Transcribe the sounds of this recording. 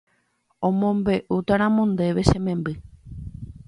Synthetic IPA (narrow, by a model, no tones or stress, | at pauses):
õ̞mõ̞mbe̞ʔut̪aɾ̃ãmõ̞nd̪e̞ʋe̞ʃẽ̞mẽmbɨ